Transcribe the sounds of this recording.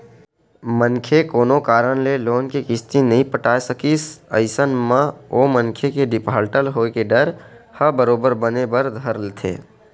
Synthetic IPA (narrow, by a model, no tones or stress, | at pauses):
mənkʰekoːnokaːɾəɽleloːnkikɪst̪inəɦĩpəʈaːjsəkisə̰ɪsənmãoːmənkʰekeɖɪpaːlʈəlɦoːkeɖəɾhəbəɾoːbəɾbənebəɾd̪ʱəɾlt̪ʰḛː